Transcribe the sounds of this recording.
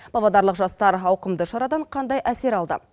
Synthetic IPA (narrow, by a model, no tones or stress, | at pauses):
b̥ɑbɑd̪ɑɾlˠəqʒɑst̪ɑɾɑwqəmd̪əʃɑɾɑd̪ɑɴqʰɑnd̪ɑjæse̞ɾɑlˠd̪ə̰